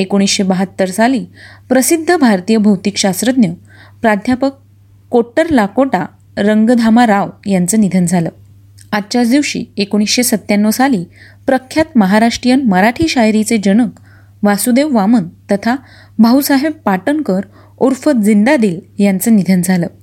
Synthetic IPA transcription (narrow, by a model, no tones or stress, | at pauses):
ekoɽ̃isɕebəɦət̪ːəɾsaliːpɾəsid̪ʱːəbʱaɾt̪ijəbʱəwt̪ikɕast̪ɾəd̪njə | pɾad̪ʱjapəkː | oʈːəɾlakoʈa | ɾəŋɡd̪ʱamaɾaʋjant͡səːnid̪ʱənd͡zʱaləː | atːt͡ɕaɾd̪iʋɕḭːekoɽ̃isɕesət̪ːjanːʋəsaliː | pɾəkʰjat̪məɦaɾaʂʈɾijənməɾaʈʰiːɕajɾit͡sed͡ʑəɽ̃ək | ʋasud̪eʋʋamənt̪ət̪ʰa | bʱəɦusaɦebpːaʈənkəɾ | oɾfət̪d͡zind̪ad̪iːljant͡sənid̪ʱənd͡zʱaləː